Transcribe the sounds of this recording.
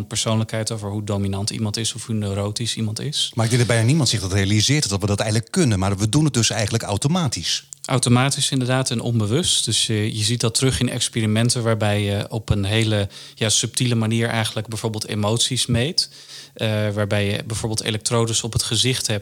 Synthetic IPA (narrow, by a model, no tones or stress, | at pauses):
npəɹsownləkɦɛjtowvəɹɦudowminɑntḭmɑntɪsɔfɦunøɾowtisimɑntɪ̰smaːɾɪɡ̚dɛŋdəbɛjnanimɑntsɪχdɑtrejalizɪːɹtdɑtʋədɑtɛjələkɵnənmaːɹʋədunət̚dɵsɛjχən̩ləkawtomaːtisʔa̰wtomaːtisɪndəɹdaːtɛnɔ̰nbəʋɵstd̥øsjəjəzit̚dɑtrɵχɪnɛ̰kspiːɾimɛntənʋaːɹbɛjjəɔpənɦejlə | jaːsɵp̚tiləmaniːɹɛ̰jχənləɡ̚bɛjv̥oːɹbeːlˠtḛmowtsismejt | ʋaːɹbɛjəbɛjv̥oːɹbɪːlˠtḛlɛk̚trowdəsɔpɦətχəzɪχtɦɛp̚